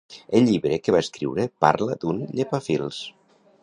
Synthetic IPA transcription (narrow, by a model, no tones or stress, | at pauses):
elʎʎːiβɾekəβaeskɾḭwɾəpa̰ɾləd̪unʎepafilˠs